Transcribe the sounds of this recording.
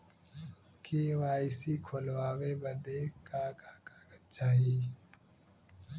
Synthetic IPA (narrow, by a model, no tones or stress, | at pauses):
keːwaːɪsiːkʰolwaːweːbɐd̪eːkaːkaːkaːkət̪̚t͡ʃaːɦiː